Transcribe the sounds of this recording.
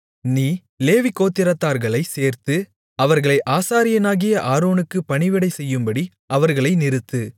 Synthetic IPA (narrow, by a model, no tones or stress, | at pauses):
niː | leːʋɪkːoːt̪ːɪɾɐt̪ːaːɾɣɐɭɐɪseːɾt̪ɯ | ɐʋɐɾɣɐɭɐɪʔaːsaːɾɪjɐnaːɣɪjɐʔaːɾoːɳɯkːɯpːɐɳɪʋɪɽɐɪsɛjːɯmbɐɽi | ɐʋɐɾɣɐɭɐɪnɪɾɯt̪ːɯ